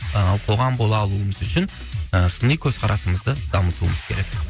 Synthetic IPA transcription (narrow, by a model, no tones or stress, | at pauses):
ɑlˠqʰo̞ʁɑmbo̞lˠɑːlˠuəməzʏʃɪn | əsʊnəjkʲʰɵz̥qʰɑɾʔɑsəməzd̪əd̪ɑmət̪uəməz̥kʲʰe̞̰ɾe̞k